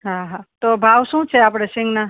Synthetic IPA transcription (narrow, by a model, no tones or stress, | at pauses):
ɦãɦãt̪obʱaːwsũt͡ʃʰeaːpɽesĩŋɡna